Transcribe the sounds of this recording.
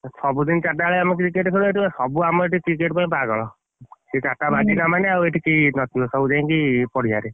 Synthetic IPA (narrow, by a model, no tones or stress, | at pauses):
sɔbud̪int͡ʃaʈaɭeamɔk̬ɾikeʈkʰeɽueʈibasɔbuamɔeʈikɾikeʈpaĩbaɡɔɭɔ | set͡ʃaʈabad͡ʒinamaneaueʈʰikeinɔt̪ʰiosɔbud͡ʒaj̃kipɔɽ̤ia̰ɾe